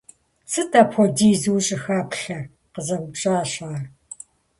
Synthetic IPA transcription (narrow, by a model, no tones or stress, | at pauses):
sɨtʰɐpʰxʷɔdiːzuɕʼɪxaːpɬɐ | qəzɐɡʷʊpɕʼaːɕaːr